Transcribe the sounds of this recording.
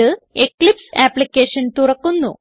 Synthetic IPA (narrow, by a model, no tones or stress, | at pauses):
əeklipsæplikeɕənt̪uɾəkunːṵ